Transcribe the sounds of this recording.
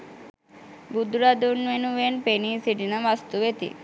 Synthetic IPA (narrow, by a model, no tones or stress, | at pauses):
bud̪uɾad̪unʋenuʋenpeniːsiʈinaʋast̪uʋet̪ḭ